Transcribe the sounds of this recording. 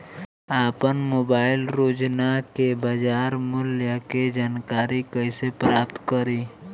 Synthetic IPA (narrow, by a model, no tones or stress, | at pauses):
aːpənmoːbaːɪlɾoːd͡ʒnakebaːd͡ʒaːɾmʊljaked͡ʒaːnkaːɾikəsepɾaːpt̪kəɾiː